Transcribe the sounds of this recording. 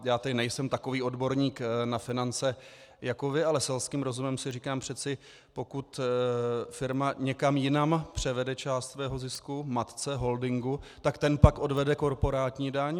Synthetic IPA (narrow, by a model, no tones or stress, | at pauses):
jaːt̪ɛdɪnɛjsɛmt̪ako̞viːo̞dbo̞ɾɲiːknafɪnant͡sɛ | jako̞vɪalɛsɛlskiːmɾo̞zumɛmsɪriːkaːmpr̝̥ɛt͡sɪ | po̞kut̪ | fɪɾmaɲɛkamjɪnampr̝̥ɛvɛdɛt͡ʃaːst̪svɛːɦo̞zɪskumat̪t͡sɛɦo̞ldɪŋɡut̪akt̪ɛnpakʔo̞dvɛdɛko̞ɾpo̞ɾaːt̪ɲiːdaɲ